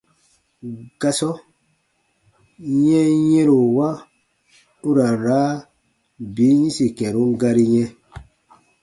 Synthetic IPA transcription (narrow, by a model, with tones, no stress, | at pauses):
ɡ̥a˧sɔ˦ | jɛ̃˦jɛ̃˦ɾo˨wa˦ | u˦ɾa˨n˨ɾaː˨˦ | bi˨˦ɲĩ˦si˨kɛ̃˨ɾũ˦ŋɡa˧ɾi˦ɲɛ̃˦